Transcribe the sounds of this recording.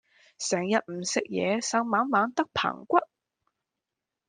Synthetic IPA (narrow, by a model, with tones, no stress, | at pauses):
sɛː˨˩ŋjɐ˨t̚m̩˨˩sɪ˨k̚jɛ̰ː˨˧sɐ˨˧wmaː˨˥ŋmaː˨˥ŋt̪ɐ˥k̚pʰɐ̰˨˩ŋkʷɐ˥t̚